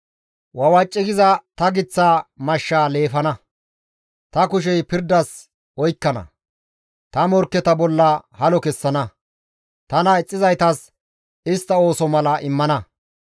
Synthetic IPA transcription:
wɐwɐt͡ʃʼːɪɡɪzɐt̪ɐɡɪt͡sːaːmɐʃːaːle̞ːfɐnɐ | t̪ɐkʊʃ̬ɛjpɪɾd̪ɐs | ɔjkːɐnɐ̰ | t̪ɐmɔɾkːɛt̪ɐbɔlːɐhɐlɔkɛsːɐnɐ | t̪ɐnɐɛt͡sʼːɪzɐjt̪ɐs | ɪst̪ːɐo̞ːsɔmɐlɐʔɪmːɐnɐ

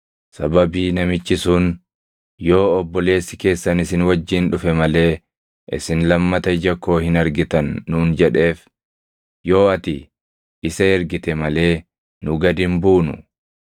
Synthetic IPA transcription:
sɐbɐbiːnɐmɪt͡ʃːɪsuːn | jo̞ːɔbːɔle̞ːsːɪke̞ːsːɐnɪsɪnwɐd͡ʒːiːnᶑʊfɛmɐle̞ː | ʔɪ̰sɪnlɐmːɐt̪ɐɪd͡ʒɐkːo̞ːhɪnɐɾɡɪt̪ɐnːuːnd͡ʒɛᶑe̞ːf | jo̞ːɐt̪ɪ | ɪsɐɛɾɡɪt̪ɛmɐle̞ː | nʊɡɐd̪ɪmbuːnʊ̰

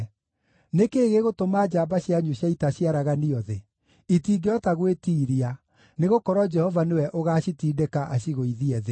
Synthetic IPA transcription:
nekeːɣeɣotomaːd͡ʒaːbaɕjaɲuɕjaitaɕiaɾaɣaniɔðe | itiːɡeɔtaɣwetiːɾia | neɣokɔɾɔd͡ʒɛhɔvanewɛʔoɣaːɕitiːdekaʔaɕiɣoiðiɛðe

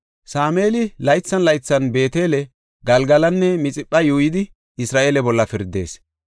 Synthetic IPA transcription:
saːmeːlɪlɐjt͡sːɐnlɐjt͡sːɐnbe̞ːt̪e̞ːlɛ | ɡɐlɡɐlɐnːɛmɪt͡sʼɪpʼːɐjuːjɪd̪ɪ | ɪsɾaːʔeːlɛbɔlːɐfɪɾd̪e̞̰ːs

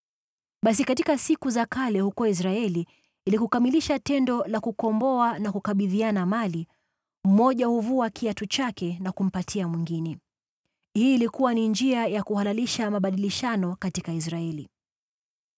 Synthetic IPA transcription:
ɓas̬ikatikasikuzakalɛhukɔis̬ɾaɛliː | likukamiliʃatɛndɔlakukɔmbɔanakukaɓiðianamali | m̩mɔʄahuvuakiatut͡ʃakɛnakum̩patʰiamwiŋɡinɛ | hiːlikuwanind͡ʒiajakuhalaliʃamaɓaɗiliʃanɔkatikais̬ɾaɛli

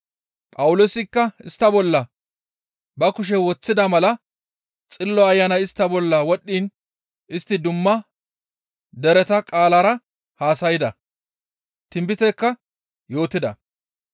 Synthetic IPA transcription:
pʼɐwʊlosɪkːɐɪst̪ːɐbɔlːɐ | bɐkʊʃ̬ɛwɔt͡sːɪd̪ɐmɐlɐ | t͡sʼɪlːɔɐjːɐnɐjɪst̪ːɐbɔlːɐwɔɗːiːn | ɪst̪ːɪd̪ʊmːɐ | d̪ɛɾɛt̪ɐkʼaːlɐɾɐ | haːsɐjɪd̪ɐ | t̪ɪmbɪt̪ɛkːɐ | jo̞ːt̪ɪd̪ɐ̰

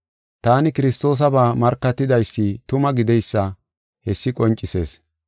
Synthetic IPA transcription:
t̪aːnɪkɪɾɪst̪o̞ːs̬ɐbaːmɐɾkːɐt̪ːɪd̪ɐjsːɪt̪ʊmɐɡɪd̪ɛjsːɐ | hɛsːɪkʼɔnt͡ʃʼːɪse̞̰ːs

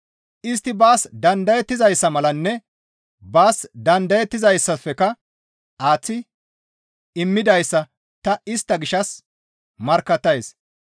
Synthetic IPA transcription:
ʔɪst̪ːɪbaːsd̪ɐnd̪ɐjɛt̪ːɪzɐjsːɐmɐlɐnːɛ | baːsd̪ɐnd̪ɐjɛt̪ːɪzɐjsːɐfɛkɐ | aːt͡sːɪ | ɪmːɪd̪ɐjsːɐ | t̪ɐɪst̪ːɐɡɪʃɐs | mɐɾkːɐt̪ːɐjs

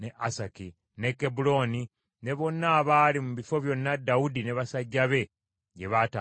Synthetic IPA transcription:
neʔasaki | ne̞kːebulo̞ni | ne̞βo̞nːaːβaːlimuβifo̞βjo̞nːadːaudineβasaɟːaβe̞ | ɟe̞βata

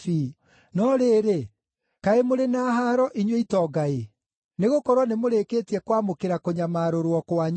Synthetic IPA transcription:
i | nɔɾeːɾe | kaemoɾenaːɦaːɾɔʔiɲweitɔɡae | neɣokɔɾwɔnemoɾekeːtiɛkwamokeɾakoɲamaːɾoɾwɔkwaɲ

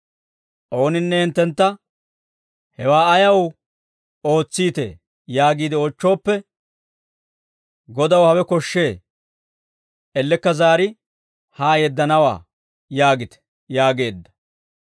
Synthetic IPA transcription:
ʔo̞ːnɪnːɛhɪnt̪ːɛnt̪ːɐ | hɛwaːɐjɐw | o̞ːt͡sːiːt̪ḛː | jaːɡiːd̪ɪoːt͡ʃːo̞ːpːɛ | ɡɔd̪ɐwhɐwɛkɔʃːe̞ː | ʔɛlːɛkːɐzaːɾɪ | haːjɛd̪ːɐnɐwa̰ː | jaːɡɪt̪ɛ̥ | jaːɡe̞ːd̪ːɐ̥

